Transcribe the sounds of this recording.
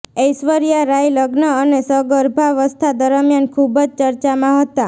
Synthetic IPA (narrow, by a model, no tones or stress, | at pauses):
ejsʋəɾijaɾajləɡnəːnesəɡəɾbʱaʋəst̪ʰad̪əɾəmjankʰubəd͡ʒt͡ʃəɾt͡ʃamãɦət̪a